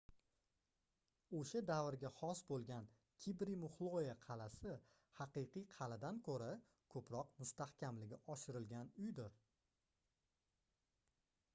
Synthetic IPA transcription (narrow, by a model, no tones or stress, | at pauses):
oʃad̪avɾɡʲahɒsbolˠɡʲan | kʲʰibɾimʊχlˠojaqʰɑlasɪ | hɑqɨjqɨjqʰɑlad̪ankʰɵɾa | kʰɵpʰɾɒqmʊst̪ahkʲʰamlɪɡʲɪʔɒʃɪɾɪlɡʲanʊjd̪ɪɾ